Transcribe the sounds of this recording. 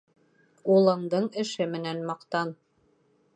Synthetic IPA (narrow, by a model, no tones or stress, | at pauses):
ulˠɤ̆ɴd̪ɤɴɘ̆ʃɘmɘ̆nænmɑqt̪ɑn